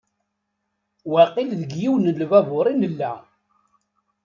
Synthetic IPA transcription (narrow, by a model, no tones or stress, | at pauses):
wæqilðəɡjiwnəlvævʊɾˤinəlːæ